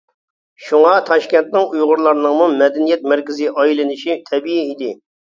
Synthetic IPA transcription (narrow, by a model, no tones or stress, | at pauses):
ʃuŋɑt̪ʰɑʃkʲɛnt̪nɪŋujʁʊɾlˠɑɾnɨŋmumɛd̪ɛnijɛt̪̚mɛɾkʲɪzɪʔɑjilɪnɪʃit̪ʰɛbijiid̪ɪ